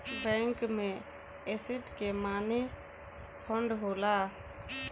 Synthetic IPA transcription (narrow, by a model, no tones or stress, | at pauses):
bɛ̃ːŋkmẽ | esɪʈkemaːne | pʰɔɳɖɦoːlaː